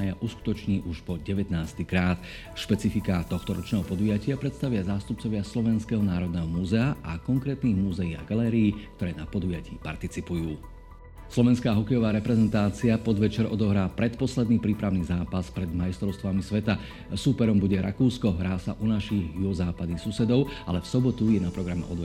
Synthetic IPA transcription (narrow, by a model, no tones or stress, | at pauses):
ajaʔusku̥t̪ɔt͡ʃɲiːʔuʃpɔɟɛʋɛt̪naːst̪ikɾaːt̪ | ʃpɛt͡sifikat̪ɔxt̪ɔɾɔt͡ʃnɛːɦɔpɔd̪ujacɪapɾɛt̪st̪aʋɪazaːst̪up̚t͡sɔʋɪaslɔʋɛnskɛɦɔnaːɾɔd̪̚nɛːɦɔmuzɛaʔakɔŋkɾɛːt̪niːɣmuzɛjiːa̰ɡalɛːɾiːkkt̪ɔɾɛːnapɔd̪ujacḭːpa̰ɾt̪it͡sipujuː | slɔʋɛnskaːɦɔkɛjɔʋaːɾɛpɾɛzɛnt̪aːt͡siapɔd̪ʋɛt͡ʃɛɾʔɔd̪ɔɦɾaːpɾɛt̪pɔslɛd̪niːpɾiːpɾaʊniːzaːpaspɾɛd̪majst̪ɾɔʊst̪ʋamisʋɛt̪a | suːpɛɾɔmbuɟɛɾa̰kuːskɔɦɾaːsa̰ʔunaʃiɣjuɔzaːpad̪nixsusɛd̪ɔʊʔa̰lɛfsɔbɔt̪ujɛnapɾɔɡɾamɛ̰ʔɔd̪ʋɛ